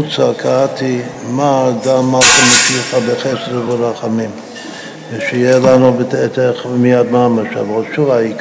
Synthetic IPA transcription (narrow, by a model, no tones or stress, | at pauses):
ut͡sakʰat̪ʰimaːd̪amatamet͡ʃiχabeχɛsɾeveɾaχamim | ʃejelanubetet̪eχmijad̪maːmaʃa̰voʃuaik